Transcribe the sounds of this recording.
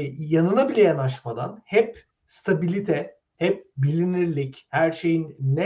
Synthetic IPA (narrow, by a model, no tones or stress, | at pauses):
janɯnabilʲɛjanaʃmad̪a̰nhɛp | st̪ʰabilʲit̪ʰɛ | hɛp̚bilʲiniɾlʲichæɾʃe̞jinːɛ